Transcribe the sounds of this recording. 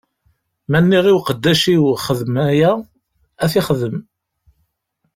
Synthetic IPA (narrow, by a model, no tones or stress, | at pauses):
mænːiʁiwqəd̪ːæʃiwχəðmæjæ | æθiχəðəm